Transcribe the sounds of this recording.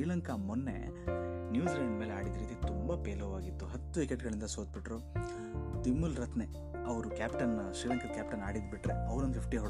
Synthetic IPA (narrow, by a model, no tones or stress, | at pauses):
iːɭɐŋkʰɐmunːe̞̰ | njuːd͡ʒlɐɳɖmeːleaːɽid̪ɐɾiːt̪it̪umbɐpeːloʋaːɡit̪ːuɦɐt̪ːuʋikeʈɡɐɭind̪ɐsoːt̪̚biʈɾoː | t̪imːulɾɐt̪ne | ɐʋɾukʲaːpʈɐnːɐsɾiːlɐŋkʰɐd̪kʲaːp̚ʈɐnaːɽid̪biʈɾeɐʋɾnɐnʰipʈiɦɔ